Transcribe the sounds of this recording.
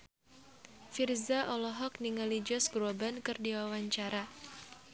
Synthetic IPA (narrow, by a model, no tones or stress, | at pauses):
firzaʔɔlɔɦɔkniŋalid͡ʒɔsɡɾɔbankɨrdiwawaɲt͡ʃaɾa